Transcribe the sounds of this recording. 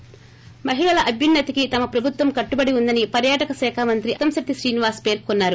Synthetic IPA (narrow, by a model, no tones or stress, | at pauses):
mɐɦiɭɐlɐʔɐbʱjɐnːɐt̪ikit̪ɐmɐpɾɐbʱut̪ʋɐmkɐʈːubɐɽiund̪ɐnipɐɾjaːʈɐkɐsɛːkʰaːmɐnt̪ɾiʔɐt̪ɐmsɐʈ̪ːiʃɾiːniʋaːspe̞ːɾkunːaːɾu